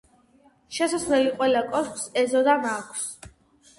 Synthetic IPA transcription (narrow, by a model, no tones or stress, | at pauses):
ʃɛsasnɛliqʼwɛlakʼɔskʼsɛzɔd̪amakʷʰs